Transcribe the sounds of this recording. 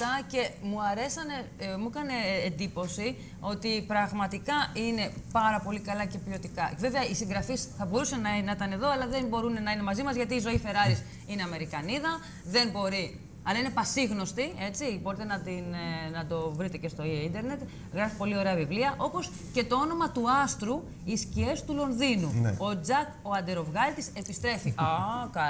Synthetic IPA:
tɐce̞muɐɾe̞sɐne̞mukɐne̞ːnd̪ipo̞si | o̞t̪ipɾɐɣmɐt̪ikɐine̞pɐɾɐpo̞likɐlɐce̞pio̞t̪ikɐve̞veɐisiŋɡɾɐfisθɐbo̞ɾusɐnɐnɐit̪ɐne̞ðo̞ɐlɐðe̞mbo̞ɾunenɐinemɐzimɐzʝɐt̪iːzo̞ife̞ɾɐɾis | ine̞ɐme̞ɾikɐniðɐ | ðe̞nbo̞ɾi | ɐlɐine̞pɐsiɣno̞st̪ie̞t͡sibo̞ɾit̪e̞nɐt̪innɐd̪o̞vɾit̪e̞ce̞st̪o̞ieind̪e̞ɾne̞t̪ | ɣɾɐfipo̞lio̞ɾe̞ɐvivliɐʔo̞po̞s | ce̞t̪o̞o̞no̞mɐt̪uɐst̪ɾu | iscie̞st̪ulo̞nðinuo̞d͡zɐko̞ɐnd̪e̞ɾo̞vɣɐlt̪ise̞pist̪ɾe̞fiʔɐkɐ

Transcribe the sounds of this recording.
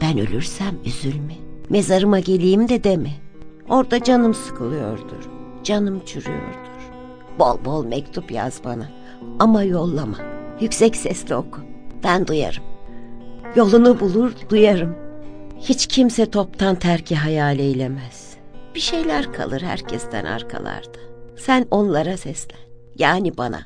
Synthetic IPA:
b̥ænø̰lʲyɾsæmyzylʲmɪme̞zaɾɯmaɟe̞lʲijimd̪ɛd̪emɪ | o̞ɾd̪ad͡ʒanɯmsɯ̥kʰɯlˠɯjo̞̰ɾd̪ṵɾ̥ | d͡ʒanɯmt͡ʃʰyɾy̰jo̰ɾd̪uɾ̥ | b̥o̞̰lˠbo̞lˠmɛc̚t̪ʰupja̰zba̰na | amajo̞lˠːamajycʲsɛcsɛslʲio̞kʰub̥ænd̪uja̰ɾɯm | jo̞lˠunubulˠuɾd̪ujaɾɯmhit͡ʃcʰimsɛt̪ʰo̞p̚t̪ʰant̪ʰæɾcʰiɦajaːlʲɛilʲemɛz̥ | b̥iʃe̞jlʲæɾkʰa̰lˠɯɾhæ̰ɾcʰɛst̪ʰæ̰na̰ɾkʰa̰lˠa̰ɾd̪̥ḁsæno̞nlˠaɾasɛslʲɛn | jaːnibana̰

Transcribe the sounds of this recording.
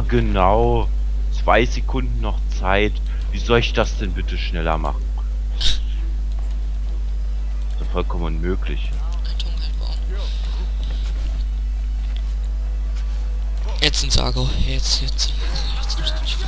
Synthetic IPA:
ɡənaʊ | t͡sv̥aɪzekʰʊndn̩nɔχt͡saɪt | viːzɔlɪçd̥asd̥ɛnbɪtəʃnɛlɐ̰ma̰χn̩ | ɪsafɔlkʰɔmənmøːklɪ̰ç | tʰoŋav̥a̰ːn | jɛt͡sɪnza̰ːɡo | t͡sɛ

